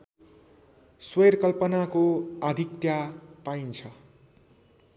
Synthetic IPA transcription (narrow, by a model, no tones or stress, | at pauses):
swʌjrkʌlpʌnakoad̪ʱikt̪japaint͡sʰʌ